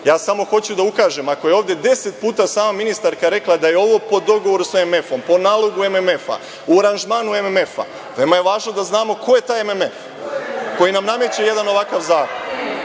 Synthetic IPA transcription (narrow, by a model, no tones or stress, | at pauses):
jaːsamo̞xo̞t͡ɕud̪aukaːʒe̞mako̞je̞o̞ːʋd̪je̞d̪e̞se̞t̪̚puːt̪asaːmaminist̪aɾkaɾe̞klˠad̪ajeo̞ʋo̞po̞d̪o̞ɡoʋo̞ɾuseme̞fo̞mpo̞naːlˠo̞ɡue̞meme̞fa̰ | uaɾanʒmaːnuememe̞fa̰ | ʋemaje̞ʋaːʒnod̪aznaːmo̞ko̞je̞t̪aːjememef | ko̞jinamnamet͡ɕeje̞d̪ano̞ʋakaʋzaːkon